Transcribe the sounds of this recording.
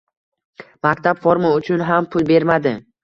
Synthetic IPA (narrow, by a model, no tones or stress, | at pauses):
mak̚ʲt̪ʰapfoɾmaʊt͡ʃʰʊnɦampʰʊlˠbe̞ɾmad̪ɪ